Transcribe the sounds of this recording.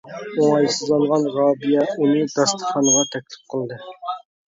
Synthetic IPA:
oŋɑjsɨzɑlˠʁɑnʁɑːbijɛunɨd̪ɑst̪ʰə̥χɑnəʁɑt̪ʰɛkʲlɪ̥p̚qʰəlˠd̪ɨ

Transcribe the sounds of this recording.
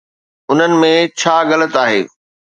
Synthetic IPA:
ʊn̤ənɪ̆mẽt͡ɕʰaːɣɐlət̪aːɦḛː

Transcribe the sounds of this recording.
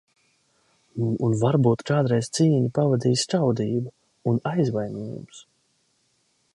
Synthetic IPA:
unvaɾbuːt̪kaːd̪ɾɛjz̥t̪siːɲipavad̪iːst͡ʃawd̪iːbu | unajzvajniːjṵms

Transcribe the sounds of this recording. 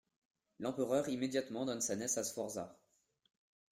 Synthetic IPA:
lɑ̃pəʁœʁimed̪jat̪mɑ̃d̪ɔnsanɛsasfɔʁza

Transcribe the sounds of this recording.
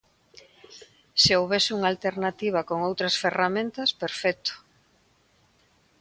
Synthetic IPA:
seowβesɪuŋalt̪eɾnat̪iβ̞ɐkoŋowt̪ɾɐsferamẽnt̪ɐspeɾfɛk̚t̪ʊ̥

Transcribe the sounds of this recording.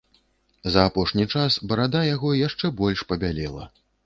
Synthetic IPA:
zɐːpɔʂnʲit͡ʂasbɐɾad̪ajaɣɔjaʂt͡ʂɛbɔlʲʂpɐbʲalʲɛlˠɐ̰

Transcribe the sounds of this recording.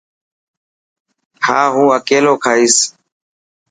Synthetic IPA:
haːɦũːəkeːloːkʰaːɦiːs

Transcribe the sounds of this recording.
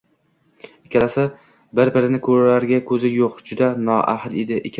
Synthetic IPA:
ekʲʰalasa | bɪɾbɪɾɪnɪkʰɵɾalaɾɡʲakʰɵzɪjoqd͡ʒʊd̪anɒʔa̰hled̪ɪʔḛkʲʰ

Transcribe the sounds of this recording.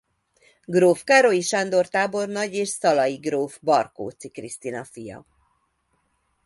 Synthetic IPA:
ɡroːfkaɾojiʃɒnd̪o̞rt̪aːbo̞rnɒɟeːʃsɒlɒjiɡroːvbɒrko̰ːt̪sikrist̪inɒfijɒ̰

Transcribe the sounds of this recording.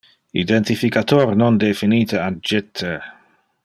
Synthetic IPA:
ḭd̪ɛnt̪ifikat̪ornɔnd̪efiniːt̪əad͡ʒɪt̪ʰːe

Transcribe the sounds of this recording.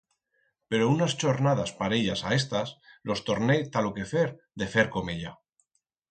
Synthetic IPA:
pe̞ɾounast͡ʃo̞ɾnað̞aspaɾeʎasae̞st̪aslʔo̞st̪o̞ɾnet̪aloke̞feɾ | ðe̞fe̞ɾko̞meʎa

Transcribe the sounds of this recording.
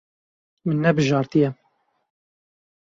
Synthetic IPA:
mɨnːɛbɨʒɑːɾt̪ijɛ

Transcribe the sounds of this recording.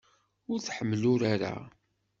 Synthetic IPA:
ʊɾθħəmːlʊɾaɾa̰

